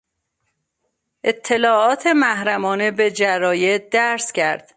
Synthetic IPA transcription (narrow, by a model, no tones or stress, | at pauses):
ʔe̞t̪ʰːe̞lɒːɒːt̪ʰe̞mæhɾæmɒːne̞be̞d͡ʒæɾɒːjed̪æɾscʰæ̰ɾd̪̥